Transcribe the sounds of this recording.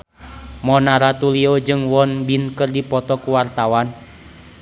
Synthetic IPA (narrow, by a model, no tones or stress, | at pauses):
mɔnaɾat̪uliɔd͡ʒɨŋwɔnbinkɨrdipɔt̪ɔkuwart̪awan